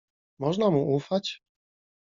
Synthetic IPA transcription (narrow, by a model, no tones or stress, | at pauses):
mɔʐnamuʔufat͡ɕ